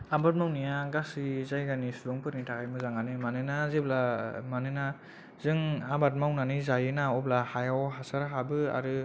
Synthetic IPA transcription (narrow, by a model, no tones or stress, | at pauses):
abat̚mawnijaɡasizajɡanisuɾɔŋpɯɾnitʰakajmɯzaŋɡanɯmanɯnazeblamanɯna | zɯŋabat̚mawnanizajɯnaɔplahajawɦasaɾɦabɯa̰ɾɯ